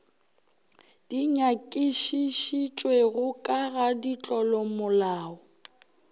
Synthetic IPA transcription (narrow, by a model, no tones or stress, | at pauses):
d̥iɲakʼiʃiʃit͡ʃʼweɣʊkʼaɣadit͡ɬʼɔlɔmʊlaːɔ